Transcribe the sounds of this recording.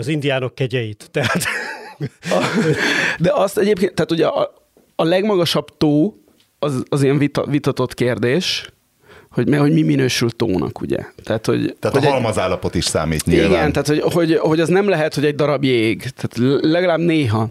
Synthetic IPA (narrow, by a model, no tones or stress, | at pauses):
ɒzind̪ijaːno̞kːɛɟɛjit̪ːɛɦat̪ | d̪ɛʔɒst̪ɛɟeːp̚keːnaːt̪uɟɛʔɒ | ɒlɛɡmɒɡɒʃɒbt̪oː | ɒzɒzijɛɱvit̪ɒ̰vit̪ɒt̪o̞t̪keːrd̪eːʃ | ho̞ɟmɛho̞ɟmiminøːʃylt̪o̰ːnʔɒ̰kṵɟɛ̰t̪aːt̪ho̞̰ɟ̪ːthoɔlmɒzaːlːɒpot̪iʃsa̰ːmḭːt̪ɲiiɡɛnt̪aːt̪ho̞ɟɦo̞ɟho̞ɟɒznɛmlɛɦɛt̪ho̞ɟɛɟ̚d̪ɒɾɒbjeːɡt̪ʰaːt̪hoɟlɛɡɒlaːbneːɦɒ